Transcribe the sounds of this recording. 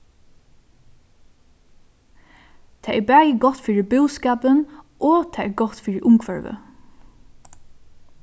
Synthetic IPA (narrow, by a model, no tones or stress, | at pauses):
t̪ʰɛːʔɛɹbæːjɪɡɔt̪fiːɹɪbɪwskaːpənɔt̪ʰɛːɛɹɡɔt̪fiːɹɪʔʊŋkʰvœɹʋə̰